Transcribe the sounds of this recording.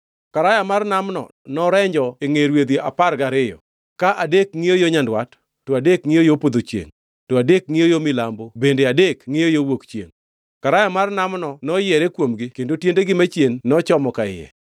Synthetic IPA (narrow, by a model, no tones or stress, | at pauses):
kaɾajamarnamnɔ̰ | nɔɾɛɲd͡ʒɔeŋeɾwed̪iʔa̰paɾɡaɾɪjɔ̰ | kaʔadekŋɪjojoɲandwatː | ɔadekŋɪjojopod̪ot͡ʃjḛŋ | tɔadek̚ŋɪjojomɪlambobendeadekŋɪjojowokt͡ʃḛŋ | kaɾajamarnamnɔnɔjɛɾekwomɡɪkendotjendeɡɪmat͡ʃjenːɔt͡ʃɔmɔkaɪɛ̰